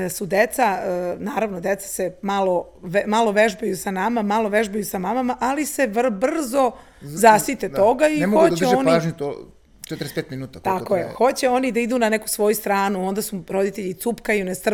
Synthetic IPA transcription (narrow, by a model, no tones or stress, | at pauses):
sud̪et̪sanaːɾaʋnod̪e̞t̪sḁsemalo | ʋmalo̞ʋe̞ʒbejusanamamalˠo̞ʋe̞ʒbejusamamamaʔalise̞ʋr̩br̩zo̞ | zasit̪et̪o̞ɡaixoodt͡ɕɛoniaʒɲut̪o | t͡ʃet̪ɾespeːt̪minuːt̪at̪akojexo̞t͡ɕeo̞nid̪aid̪unaneku̥sʋo̞just̪ɾaːnuo̞nd̪asuɾo̞d̪it̪eʎit̪supkajunest̪r̩